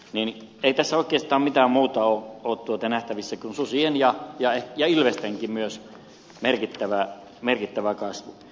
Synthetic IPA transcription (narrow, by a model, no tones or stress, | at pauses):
nineit̪æsːæoˑikˑeːst̪ɑːmmit̪æːmmuːt̪ɑoːoːtt̪uot̪ɑnæht̪æʋisːækunsusienjɑjɑejɑilʋest̪æŋkimmyøs | merkit̪ːæʋæ | merkit̪ːæʋækɑsʋu